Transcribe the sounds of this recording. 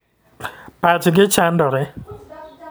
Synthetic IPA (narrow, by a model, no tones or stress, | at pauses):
pat͡ʃɡet͡ʃandɔɾɛ